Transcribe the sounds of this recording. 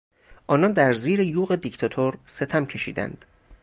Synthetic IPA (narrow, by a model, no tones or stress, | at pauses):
ʔɒːnɒːnd̪æɾziːɾejuːɣe̞d̪ict̪ʰɒt̪ʰoɾse̞t̪ʰæmcʰe̞ʃḭːd̪æ̰nd̪̥